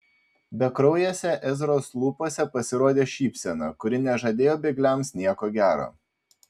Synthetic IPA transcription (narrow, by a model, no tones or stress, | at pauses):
bʲɛkɾɔʊjɛːsʲɛʔɛzɾoːslˠuːpoːsʲɛpɐsʲɪɾoːd̪ʲeːʃʲiːpʲsʲɛnɑ̰kʊɾʲɪnʲɛʒɐd̪ʲeːjoːbʲɛɪɡlʲɛmsnʲiɛkoːɡʲæːɾo̰ː